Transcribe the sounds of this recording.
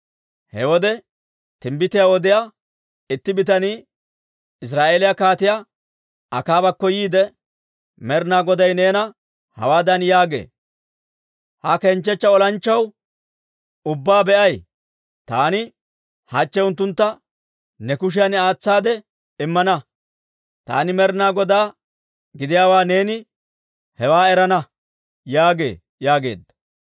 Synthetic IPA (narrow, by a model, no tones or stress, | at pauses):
hɛ̰wɔd̪ɛ | t̪ɪmbɪt̪ɪjawɔd̪ɪjaː | ɪt̪ːɪbɪt̪ɐniː | ɪs̬ɾaːʔeːlɪjakaːt̪ɪja | ʔɐkaːbɐkːɔjiːd̪ɛ | mɛɾnaːɡɔd̪ɐjne̞ːnɐ | hɐ̰waːd̪ɐnjaːɡḛː | hɐkɛnt͡ʃːɛt͡ʃːɐɔlɐnt͡ʃːɐw | ʊbːaːbɛʔɐj | t̪aːnɪ | hɐt͡ʃːɛʊnt̪̬ːʊnt̪ːɐ | nɛkʊʃ̬ɪjɐnaːt͡sːaːd̪ɛ | ɪmːɐnɐ | t̪a̰ːnɪmɛɾnaːɡɔd̪aː | ɡɪd̪ɪjaːwaːne̞ːnɪ | hɛwaːɛɾɐnɐ | jaːɡe̞̰ː | jaːɡe̞̰ːd̪ːɐ̥